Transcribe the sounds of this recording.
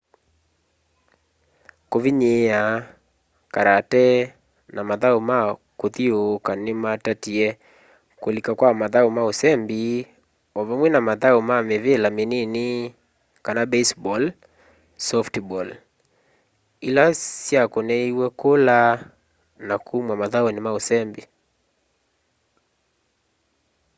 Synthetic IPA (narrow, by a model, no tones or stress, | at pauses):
koviɲea | kaɾatɛ | namaðaumakoðiokanematatiɛ | kolikakwamaðaumaosɛmbi | ɔβɔmwɛnamaðaumamevelamenini | kanabɛsbɔl | sɔftbɔl | ilassiakɔnɛiwɛkola | nakʰumwamaðaɔnimausɛmbi